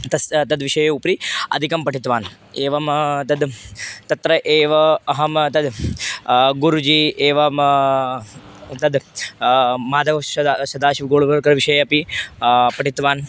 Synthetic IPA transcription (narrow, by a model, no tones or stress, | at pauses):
t̪ɐt̪ɐd̪ʋiʃɐjeupɾiɐ̰d̪ʱikɐmpɐʈʰit̪ʋaːn | eːʋɐmt̪ɐd̪t̪ɐt̪ɾɐʔeːʋɐɐɦɐmt̪ɐd̪ | ɡuɾud͡ʒiːeːʋɐm | t̪ɐd̪ | maːd̪ʱɐʋsɐsɐd̪aːʃiʋɡoːɭbɐɾkɐɾʋiʃɐjeɐpi | pɐʈʰit̪ʋaːn